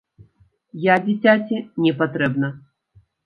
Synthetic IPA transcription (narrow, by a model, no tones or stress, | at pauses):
jadʲɪtʲatʲɪnʲɛpɐt̪ɾɛbnɐ